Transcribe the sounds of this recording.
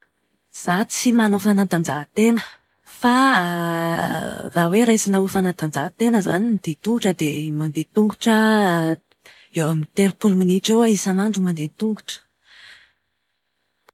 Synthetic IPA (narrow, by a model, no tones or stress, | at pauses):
z̥at͡simanofanat̪and͡zat̪enə | fa | raweɾajsinaufanat̪and͡zat̪enəza̰nimid̪̥et̪uŋɡuʈ͡ʂəd̪emand̪et̪uŋɡuʈ͡ʂə | ewamit̪eɾpuluminiʈ͡ʂoaisanaɳɖ͡ʐumand̪et̪uŋɡuʈ͡ʂə̥